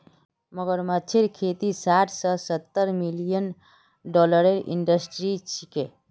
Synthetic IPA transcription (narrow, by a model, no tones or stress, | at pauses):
məɡəɾmət͡ʃʰeɾkʰet̪isaʈʰsəsət̪ːəɾmilijən | ɖɔləɾeɾʔḭɳɖəsʈɾit͡ʃʰike